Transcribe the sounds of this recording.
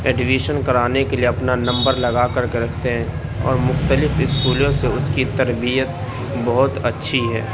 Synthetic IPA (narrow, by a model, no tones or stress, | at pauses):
ɛːɖɪʋiːʃənkɐɾaːnekelieɐpnanɐ̃mbəɾlɐɡaːkɐɾkeɾɐkʰt̪eɦɛ̃ː | ɔ̰ːɾmʊxt̪əlɪfɪskuːlõseʊskit̪ɐɾbijət̪ | bɔɦʊt̪ɐtːʃʰiɦɛ̰ː